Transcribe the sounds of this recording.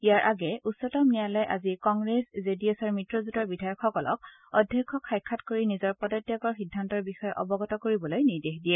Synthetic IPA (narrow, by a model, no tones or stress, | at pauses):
ijaɹʔaɡɛutsɔtɔmnijalɔjʔa̰zikɔŋɡɹeszediosaɹmitɹɔzutɔɹbidʱajɔkxɔkɔlɔ̰k̚ | ɔdʱjakʰːɔkʰːajkʰːatkoɹinizɔɹpɔdɔtjakɔɹxidʱːantɔɹbixɔjɔʔɔbɔɡɔtɔkoɹibɔlojniɹdexdijɛ